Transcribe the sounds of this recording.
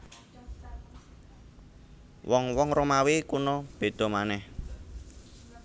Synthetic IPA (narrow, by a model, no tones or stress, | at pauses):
wɔŋwɔŋromawekunɔb̥e̤d̪̥ɔ̤manɛh